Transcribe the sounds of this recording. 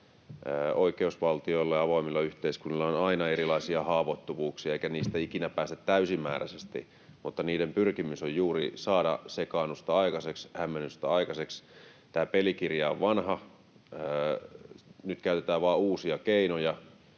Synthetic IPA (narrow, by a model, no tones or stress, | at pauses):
əoikeusʋɑlt̪ioilːɑjɑɑʋoimilːɑyht̪eiskunːilːɑonɑinɑeɾilɑisiɑhɑːʋot̪ːuʋuːksiɑeikæniːst̪æikinæpæːst̪æt̪tæysimːæ̰ːræ̰sest̪ḭ | mut̪ːɑniːdempyrkimysojjuːrisɑːdɑ̰sekɑːnust̪ɑɑikɑsekshæmːenyst̪ɑɑikɑsekst̪æːpelikirjɑo̰ʋʋɑnhɑ | ə | nyt̪kæyt̪et̪æːʋɑːuːsiɑkeinojɑ